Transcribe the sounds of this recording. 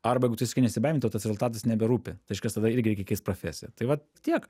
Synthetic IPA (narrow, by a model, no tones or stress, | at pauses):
ɐrbɐjɛɪɡʊt̪ɪskɪnʲɛsʲɪbɐɪmʲnɐʊt̪ɐsɾɛzʊlˠt̪ɑːt̪ɐsnʲɛbʲɛɾuːpʲɪt̪ɐɪɪʃkɐst̪ɐd̪ɐɪrɡʲɪɾʲɛɪkʲɛkʲɛɪst̪pɾofʲæ̰ːsʲɪjɛt̪ɐɪʋɐt | t̪ʲiɛk